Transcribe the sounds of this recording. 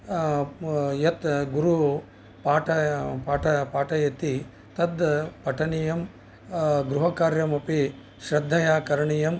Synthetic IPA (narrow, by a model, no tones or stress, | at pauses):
jɐt̪ɡuɾu | paːʈɐpaːʈɐpaːʈɐjɐt̪i | t̪ɐd̪pɐʈʰɐnijɐm | ɡɾuɦɐkaːɾjɐmɐpi | ʃɾɐd̪ʱːɐjaːkɐɾɐɳijɐm